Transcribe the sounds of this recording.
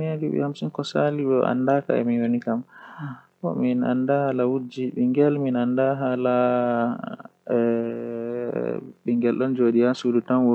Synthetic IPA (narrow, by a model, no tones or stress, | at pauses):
adiɓɛ̰hamsinkɔsaliɓɛʔa̰ndaka̰ɛ̰minwonikam | kɔ̰mina̰ndahalawud͡ʒiɓiŋɡɛlminandaɦala | ɛ | ɓiŋɡɛlɗɔnd͡ʒoːɗijasudutanwɔ